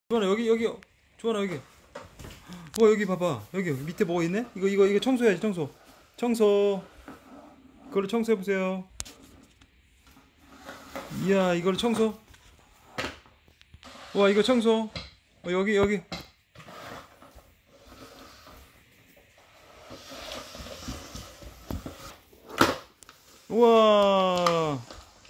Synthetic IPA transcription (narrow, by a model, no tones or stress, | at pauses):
t͡ɕoanajʌɡijʌɡi | t͡ɕoanajʌɡi | wajʌɡipabajʌɡijʌɡimitʰeboɡʌinːe̞iɡʌiɡʌiɡʌt͡ɕʰʌŋsʰoɦead͡ʑit͡ɕʰʌŋs̬ʰo | t͡ɕʰʌŋs̬ʰʌ | kɯɡʌɭt͡ɕʰʌŋs̬ʰoɦebos̬ʰejo | jaiɡʌɭt͡ɕʰʌŋsʰʌ | waiɡʌt͡ɕʰʌŋs̬ʰo | jʌɡijʌɡi | a